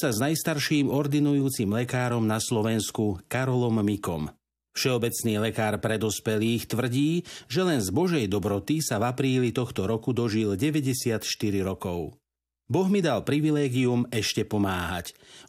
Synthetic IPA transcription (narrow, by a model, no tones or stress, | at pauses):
saznajst̪aɾʃiːmɔɾd̪inujuːt͡simlɛkaːɾɔmnaslɔʋɛnskukaɾɔlɔmːikɔ̰m | fʃɛɔbɛt͡sniːlɛkaːɾpɾɛd̪ɔspɛliːxt̪ʋr̩ɟiːʒɛlɛnzbɔʒɛjd̪ɔbɾɔt̪isavapɾiːlit̪ɔxt̪ɔɾɔkud̪ɔʒilɟɛʋɛɟɛsɪat̪ʃt̪iɾiɾɔkɔʊ | bɔɣmid̪alpɾiʋilɛːɡiumɛʃcɛpɔmaːɦac